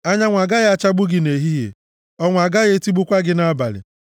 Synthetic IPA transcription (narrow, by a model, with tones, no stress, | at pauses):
a˦ɲa˦ŋʷa˨ɡa˦ɣa˦t͡ʃa˦ɡ͡bʊ˦ɡɪ˨ne˨ɦi˦ɦḛ˨ | ɔ˦ŋʷ˨a˨ɡa˦ɣe˦ti˦ɡ͡bʊ˦kʷa˦ɡɪ˦na˦ba˨lɪ̰˨